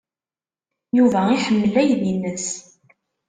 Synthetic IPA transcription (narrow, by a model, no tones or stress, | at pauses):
juvæiħəmːəlæjðinːəs